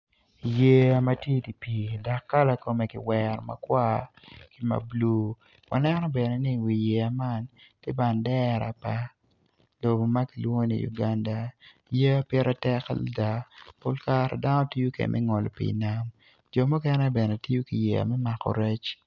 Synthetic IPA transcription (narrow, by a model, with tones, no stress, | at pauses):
je˦a˨ma˦tje˦di˨pi˨da˨kːa˦la˨ko˨me˨kḭ˨wɛ˨ɾma̰˨kwa˦ | ki˨ma̰˨blu˦ | wa̰˨nɛ˦nɔ˦bɛ˨nɛ˨ni˦wi˨jɛ˨a˨ma˦nte˦ba˨ndɛ˦ɾa̰˨pa˨˦ | lo˨bo˨ma˦ki˨lwŋo˦nḭ˨jṵ˨ɡa˦nda˨ | je˦a˦pjɛ˦ɾʔa˦tɛ˦ka̰˦lda˨po˦lka˦ɾa̰˨da˦nɔ˦ti˦jo˦kḛ˨mʔɛ̰˦ŋɔ˨lɔ˨pḭ˨na˦m | d͡ʒɔ˨mu˦kɛ˦nɛ˦bɛ˨nɛ˨ti˦jo˦ki˨jɛ̰˨a̰˨mɛ˦ma˨kɔ̰˨ɾɛ˦t͡ʃ